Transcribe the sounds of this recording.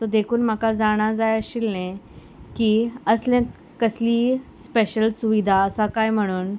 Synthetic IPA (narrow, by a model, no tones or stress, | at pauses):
t̪od̪ekʰuːnm̤akad͡zaɽ̃ad͡zajəɕilnẽ | kiəslẽ | kəsliːspeɕəlsuʋid̪ʱaəsakajm̤əɽ̃uːn